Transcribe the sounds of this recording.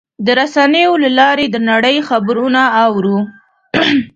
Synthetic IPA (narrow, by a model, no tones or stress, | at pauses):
d̪əɾasanəjolalɑɾed̪ənaɽəjxabɾunaːwɾu